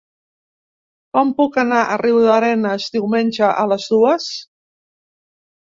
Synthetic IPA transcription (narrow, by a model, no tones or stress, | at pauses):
kɔmpukənaʔəriwðəɾɛnəzdiwmenʲʒəʔələzðuəs